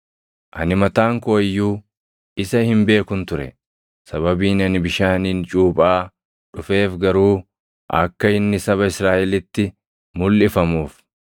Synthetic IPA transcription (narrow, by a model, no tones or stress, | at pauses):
ʔɐnɪmɐt̪aːŋkʊɐjːuː | ɪsɐhɪmbe̞ːkʊnt̪ʊɾɛ̰ | sɐβɐbiːnɐnɪbɪʃaːniːnt͡ʃʼuːpʼaː | ᶑʊfe̞ːfɡɐɾuː | ʔɐ̰kːɐɪnːɪsɐβɐɪsɾaːʔɛlɪt̪ːɪ | mʊlːɪfɐmuːf